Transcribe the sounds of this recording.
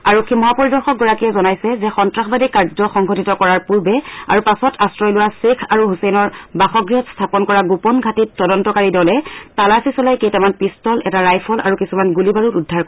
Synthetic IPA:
aɹukimɔɦapɔɹidɔɹxɔk̚ɡɔɹakiɛzɔnajsɛzɛxɔntɹaxbadikaɹd͡ʒɔxɔŋɡʱɔtitɔkɔɹaɹpuɹbɛa̰ɹupasɔtastɹɔjlʊwasekʰaɹuɦusɛjnɔɹbaxɔɡɹiɔtstʰapɔnkɔɹaɡupɔnɡʱatitːɔdɔntɔkaɹidɔlɛtalasisɔlajkejtamanpistɔlɛtaɹajpʰɔlʔa̰ɹukisumanɡulibaɹutudʱːaɹkɔ

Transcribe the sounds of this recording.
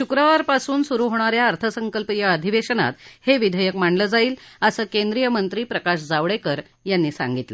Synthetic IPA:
ɕukɾaʋaɾpasuːnsuɾuːɦoɽ̃aɾjaəɾt̪ʰəsəŋkəlpijəəd̪ʱiʋeɕəna̰t̪heʋid̪ʱəjəkm̤aɳɖləːd͡zaiːləsəːkend̪ɾijəmənt̪ɾiːpɾəkaɕ̬d͡zaʋɽekəɾ | janːiːsa̰ŋɡit̪lə̰

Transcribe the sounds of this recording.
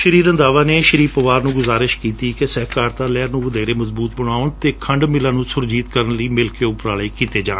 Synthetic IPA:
ʃəɾiːɾə̃nd̪aːʋaːneːʃəɾiːpəʋaːɾnũːɡʊzaːɾɪʃkiːt̪iːkɪsəɦkaːɾt̪ãːlɛːɾnũːʋəd̪ɛːɾeːməzbuːt̪̚bəɽ̃aːʊnt̪eːkʰəɳɖmɪlãːnũːsʊɾd͡ʒiːt̪kəɾənləiːmɪlkeːʊpɾaːləiːkiːt̪eːd͡ʒaːn

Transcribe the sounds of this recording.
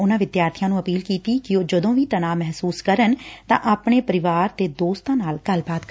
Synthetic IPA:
ʊnãːʋɪd̪jaːɾt̪ʰɪjãːnũːəpiːlkiːt̪iːkɪoːd͡ʒəd̪õːʋiːt̪ənaːmɛɦsuːskəɾənt̪ã̰ːʔaːpɳeːpəɾɪʋaːɾt̪eːd̪oːst̪ãːnaːlɡ̥əlbaːt̪k

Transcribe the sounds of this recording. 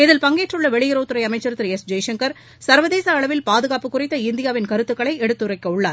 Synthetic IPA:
ɪðɪlpɐŋɡeːʈrɯɭːɐʋɛɭɪjɪɾoːt̪ːɯɾɐɪɐmɐɪt͡ʃːɐɾɯt̪ːɪɾɛsd͡ʒɐjʂɐŋkɐɾ | sɐɾʋɐðeːsɐɐɭɐʋɪlpaːðɯɣaːpɯkːʊrɪt̪ːɐɪnd̪ɪjaːʋɪnkɐɾɯt̪ːɯkːɐɭɐɪɛɽɯt̪ːɯɾɐɪkːɐʊɭːaːɾ

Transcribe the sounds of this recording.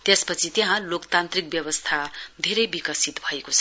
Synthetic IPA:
t̪espʌt͡sʰit̪jeɦãlokt̪ant̪rik̚bjʌβʌst̪ʰad̪ʱeɾʌjbikʌsit̪bʱʌekot͡sʰʌ

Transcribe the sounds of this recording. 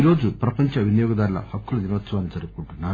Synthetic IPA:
iɾo̞ːd͡ʒupɾɐpɐɲt͡ʃɐʋinɐjoːɡɐd̪aːɾlɐ̰hɐkːulɐninɐʋɐt̪sɐʋaːnid͡ʒɐɾukkuɳʈunːaːɾ

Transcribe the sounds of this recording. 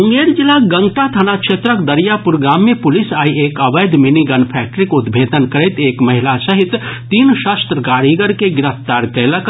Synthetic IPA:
ũŋɡeɾd͡ʒilaɡə̃ŋɡʈat̪ʰənakʃet̪ɾəkd̪əɾijapuɾɡaːmːẽpʊlisaːiekəʋəjd̪ʱminiɡənpʰɛk̚ʈəɾikud̪bʱeːd̪ənkəɾɛt̪eːkmɐɦilasəɦit̪t̪ːiːnʃast̪ɾəɡaːɾiɡəɾkeɡɪɾəft̪aːɾkələk

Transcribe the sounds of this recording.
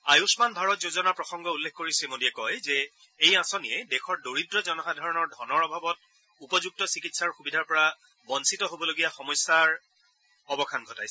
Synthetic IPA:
ajusmanbʱaɹɔtzozɔnaɹpɹɔxɔŋɡɔulːekʰkoɹisɛmodiɛkɔjzɛ | ejasoniɛdɛxʰɔɹdoɹidɹɔzɔnɔxadʱaɹɔnɔɹdʱɔnɔɹɔbʱabɔt̚ | upɔzuk̚tɔsikitsaɹxubidʱaɹpɔɹa | bɔnsitɔɦobɔloɡijaxɔmɔjsaɹ | ɔbɔkʰanɡʱɔtajs

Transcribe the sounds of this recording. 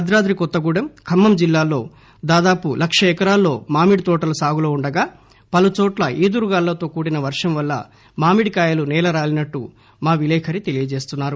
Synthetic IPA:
ɐd̪ɾaːd̪ɾikɔt̪ːɐɡuːɽɐmkʰɐmːɐmd͡ʒilːaːlːo̞ː | d̪aːd̪aːpulʔɐkʂɐɛkɐɾaːlːo̞ːmaːmiɽit̪ɔːʈɐlusaːɡuloːuɳɖɐɡaː | pɐlut͡ʃɔːʈlɐʔiːd̪uɾuɡaːlːɐt̪o̞ːkuːɽinɐʋɐɾʂɐmʋɐlːɐ̰ | maːmiɽikaːjɐlunɛːlɐɾaːlinɐʈːu | maːʋilɛːkʰɐɾit̪e̞lijɐd͡ʒe̞ːst̪unːaːɾu

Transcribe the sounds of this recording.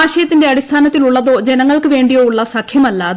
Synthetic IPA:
aːʃɐjɐt̪ːɪndeɐɽist̪ʰaːnɐt̪ːiluɭːɐd̪oːd͡ʑɛnɐŋːɐɭkɨʋeːɳɖijoːuɭːasɐkʰːjɐmɐlːaː

